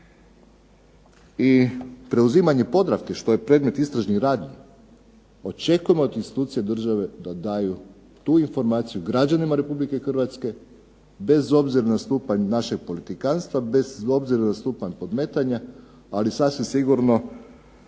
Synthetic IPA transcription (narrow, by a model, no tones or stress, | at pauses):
ipɾe̞uziːmaɲe̞po̞d̪ɾafke̞ʃt̪o̞je̞pɾe̞d̪me̞t̪ist̪ɾaʒnixɾaːd̪ni | o̞t͡ʃe̞kuje̞mood̪inst̪i̥t̪uːt̪sije̞d̪r̩ʒaʋe̞d̪ad̪aːju | t̪uinfo̞ɾmaːt̪sijuɡɾad͡ʒanimaɾe̞publike̞xrʋat̪ske̞ | be̞zo̞bziɾanast̪uːpaɲnaʃe̞ɡ̚po̞lit̪ikanst̪ʋabe̞zo̞bziɾanast̪uːpaɲpo̞d̪me̞ːt̪aɲa | alisasʋimsiɡuɾno̞